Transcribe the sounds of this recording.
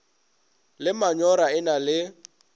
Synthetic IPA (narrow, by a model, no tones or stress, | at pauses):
lɪmaɲɔɾaɪnalɪ